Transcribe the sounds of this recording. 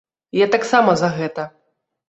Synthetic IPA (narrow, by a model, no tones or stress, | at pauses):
jat̪aksamɐzɐɣɛt̪ɐ